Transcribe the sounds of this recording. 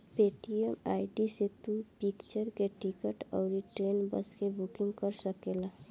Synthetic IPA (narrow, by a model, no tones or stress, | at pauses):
peʈiəmaɪɖiset̪upikt͡ʃəɾkeʈʰikəʈɔʊɾiʈɾenbə̰skebʱukiŋɡkəɾsəkela